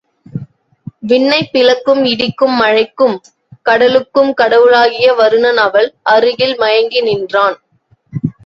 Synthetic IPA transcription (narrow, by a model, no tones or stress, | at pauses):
ʋɪɳːɐɪpːɪlɐkːɯmɪɽɪkːɯmːɐɻɐɪkːɯm | kɐɽɐlɯkːɯmkɐɽɐʋɯlaːɣɪjɐʋɐɾɯnɐnɐʋɐɭʔɐɾɯɣɪlmɐjɐŋɡɪnɪndraːn